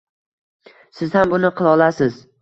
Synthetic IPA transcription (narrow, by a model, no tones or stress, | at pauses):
sɪz̥hambʊnɪqʰɨlˠɒlˠasɪz